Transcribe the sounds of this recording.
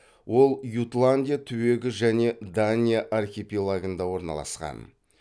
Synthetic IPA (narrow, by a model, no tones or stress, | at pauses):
wo̞lˠjut̪lˠanʲd̪ʲijat̪ʰʏwe̞ɡʲɪʒæne̞d̪anʲijaʔarxʲepilˠaɡənd̪ɑwo̞ɾnɑ̰lˠɑ̰sqɑ̰n